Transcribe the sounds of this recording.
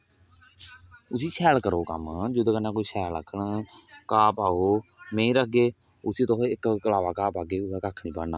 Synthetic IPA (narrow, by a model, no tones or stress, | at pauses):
ʊsiːsʰɛːlkəɾoːkə̰md͡ʒod̪oːkənãːkoːiːsʰɛːlə̰kʰəɳkaːpaːoːmẽːĩːɾək̚ɡeː | ʊsiːt̪oɦɪkkəlaːʋaːkaːpaːɡeːʊɦɛːkaːkʰnĩːbəɽnaː